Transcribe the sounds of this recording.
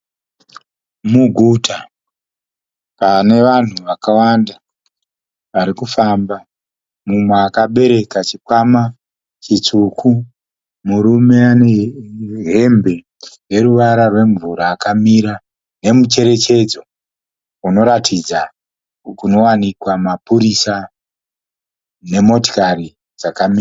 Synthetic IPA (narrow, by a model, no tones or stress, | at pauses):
muɡʱutʰa | pane̞ʋan̤uʋakawanda | ʋaɾikufamba | mumweːkaɓe̞ɾe̞kat͡ʃikwama | t͡ʃit͡sukʰu | muɾume̞ane | ɦe̞mbe̞ | re̞ɾuʋaɾarwe̞ɱvuɾaːkamiːɾa | ne̞mut͡ʃe̞ɾe̞t͡ʃe̞d͡zo̞ | uno̞ɾatʰid͡za | kuno̞wanikwamapuɾisa | ne̞mo̞to̥kari | d͡zakamiːra